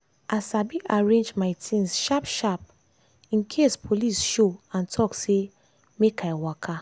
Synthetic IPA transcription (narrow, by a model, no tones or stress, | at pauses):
ʔasabiʔaɹẽnd͡ʒmaɪtʰĩnsʃapʃap | ĩnkʰespʰolisʃoãntʰɔkse | mekʰajwakʰa